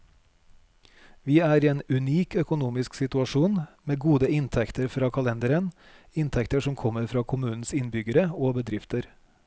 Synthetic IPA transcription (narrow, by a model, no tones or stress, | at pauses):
ʋiːæːɾiːeːnʉniːkœkʊnuːmɪsksɪt̪ʉɑʃuːnmeːɡuːd̪əɪnt̪ʰɛkt̪əɾfɾɑːkʰɑlɛnd̪əɾən | ɪnt̪ʰɛkt̪əʂɔmkʰɔməɾfɾɑːkʰʊmʉːn̩sɪnbʏɡəɾəoːbəd̪ɾɪft̪əɾ